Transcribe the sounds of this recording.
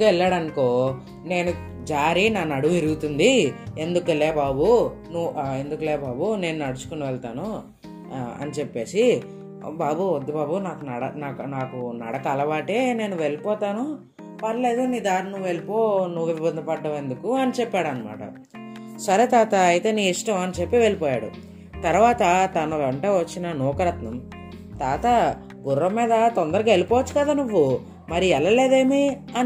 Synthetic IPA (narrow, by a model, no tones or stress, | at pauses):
ɛɭːaːɽɐnko̞ː | ne̞ːnu | d͡ʒaːɾinaːnɐɽuʋuiɾuɡut̪und̪ie̞nd̪ukueleːbaːbu | nue̞nd̪ukuleːbaːbune̞ːnunɐɽut͡ʃu̥koniʋɛɭt̪aːnu | ɐ̰nit͡ʃepːe̞ːsi | baːbuod̪ːɐbaːbunaːkunɐɽɐnaːknaːkunɐ̰ɽɐkɐlɐbaːʈe̞ːne̞ːnuʋe̞ɭipɔːt̪aːnu | pɐɾɐle̞ːd̪umiːd̪aːɾninuʋːue̞lipoːnuʋːʋibɐnd̪ɐpɐɖːɐʋe̞nd̪ukuɐnit͡ʃɛpːaːɽɐnɐma̰ːʈɐ̰ | sɐɾe̞ːt̪aːt̪ɐːjt̪e̞ːniːiʂʈɐmɐnit͡ʃepːiʋe̞ɭipɔːja̰ːɽṵ | t̪ɐɾʋaːt̪ɐt̪ɐnɐʋeɳʈoːʋɐt͡ʃːinɐnɔːkɐɾɐt̪nɐm | t̪aːt̪ɐ | ɡurːɐmːiːd̪ɐt̪ond̪ɐɾɐɡaːelipɔːʋɐt͡ʃːu̥kɐd̪aːnuʋːu | mɐɾiɛlːɐleːd̪e̞ːmiɐn